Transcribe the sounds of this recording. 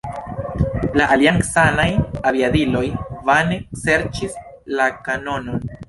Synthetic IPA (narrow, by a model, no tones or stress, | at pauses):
laʔaliaŋksanajabiadilo̞jvanekse̞ɾt͡ʃis | lakano̞no̞n